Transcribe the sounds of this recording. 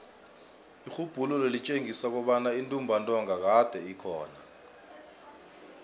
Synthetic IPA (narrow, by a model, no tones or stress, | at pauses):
ixub̥ʱulɔlelit͡ʃʼeŋisak̬ɔɓanaintʼumbʱantʼɔŋak̬ad̥ʱɛikʰɔ̰ːna̰